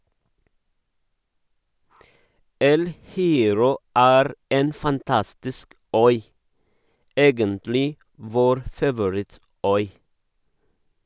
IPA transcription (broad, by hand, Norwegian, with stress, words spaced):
ˈɛl hɪˈeːɾɔ ˈæːɾ ˈeːn fɑnˈtɑstɪsk ˈœʏ ˈeːɡəntlɪ ˈʋoːɾ fɑʋʊˈɹɪˌtœʏ